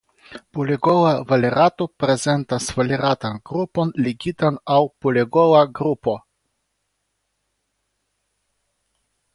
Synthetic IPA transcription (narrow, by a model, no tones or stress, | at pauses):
pulʲeɡolˠavalʲeɾat̪opɾɛzɛnt̪asvalʲeɾat̪anɡɾuponlʲiɡʲit̪anawpulʲeɡolˠaɡɾupo